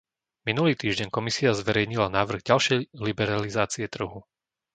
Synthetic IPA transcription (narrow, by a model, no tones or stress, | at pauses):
minuliːt̪iːʒɟɛɲkɔmisiazʋɛɾɛjɲilanaːʋr̩ɣɟalʃɛjlibɛɾalizaːt͡siɛt̪r̩ɦu